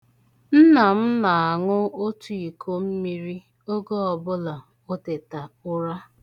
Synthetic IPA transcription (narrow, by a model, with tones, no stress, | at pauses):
n̩˦na˨m̩˦na˨a˨ŋʊ˦o˦tu˦i˨kʰo˦m̩˦mi˦ɾi˦ | o˦ɡo˦ɔ˨bʊ˦la˨ | o˦tɪ˨ta˨ʊ˦ɾa˦